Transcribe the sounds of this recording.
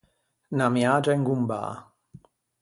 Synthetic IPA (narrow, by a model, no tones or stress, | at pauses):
namjad͡ʒɛŋɡumba̰ː